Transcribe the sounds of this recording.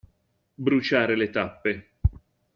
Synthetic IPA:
bɾut͡ʃaːɾelet̪apːe

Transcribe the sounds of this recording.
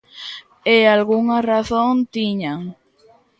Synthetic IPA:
ealɣuŋaraθont̪iɲaŋ

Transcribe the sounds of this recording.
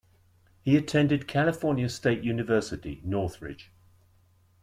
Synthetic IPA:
hiətʰɛ̃ndɪd̚kʰalɪfɔːnjəsteɪʔjʉːnɪvɜˑsɪtḭnɔˑθɹɪ̰d̥ʒ̥

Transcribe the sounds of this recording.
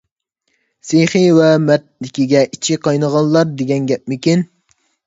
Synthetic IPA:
sejχivɛmɛt̪̚lɪkʲiɡʲɛʔit͡ʃʰɪqʰɑjnəʁɑnlˠɑɾd̪eɡʲɛnɡʲɛp̚mɪkʲin

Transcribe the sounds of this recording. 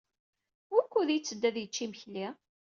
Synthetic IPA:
ʊɾkʷːuðijt͡sːəd̪ːæðjət͡ʃːiməçli

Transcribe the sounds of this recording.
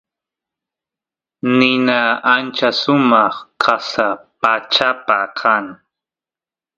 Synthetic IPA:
nɪnaant͡ʃasʊmɑχkʰasapat͡ʃapakʰaŋ

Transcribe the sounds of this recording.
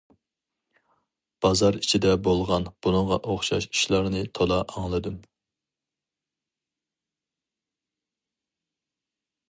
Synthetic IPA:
b̥ɑzɑɾit͡ʃʰid̪ɛbolˠʁɑnb̥unɨŋʁɑʔoχʃɑ̰ʃi̥ʃlˠɑɾnɨt̪ʰolɑɑŋlˠɨd̪ɨm

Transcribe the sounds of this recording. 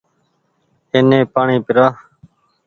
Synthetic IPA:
eːnẽːpaːɳĩːpɪɾaː

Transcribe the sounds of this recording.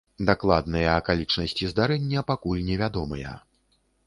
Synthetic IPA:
d̪aklˠad̪nɨjɐːkalʲit͡ʂnɐsʲt͡sʲizd̪aɾɛnʲːɐpakulʲnʲɛvʲad̪ɔmɐjɐ̰

